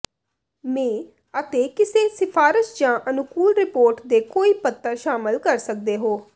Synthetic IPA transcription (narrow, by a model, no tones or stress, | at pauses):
mɛ̃ː | ət̪eːkɪseːsɪpʰaːɾəʃd͡ʒãːʔənʊkuːlɾɪpoːɾʈd̪eːkoːiːpət̪ːəɾʃaːmɪlkəɾsək̚d̪eːɦoː